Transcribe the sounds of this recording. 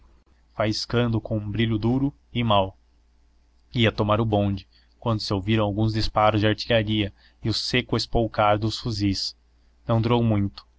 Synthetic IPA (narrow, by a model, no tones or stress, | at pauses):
fajɪskɐ̃nd̪ʊkõw̃ũbɾiʎʊd̪uɾʊ | ɪmaw | iɐt̪omaɾʊbõnd͡ʒɪ | kwɐ̃nd̪ʊsɪowviɾɐ̃w̃awɡũzd͡ʒispaɾʊzd͡ʒɪaɾt͡ʃiʎaɾiɐ | ɪʊsekʊespowkaɾd̪ʊsfuzis | nɐ̃w̃d̪uɾowmũj̃t̪ʊ̥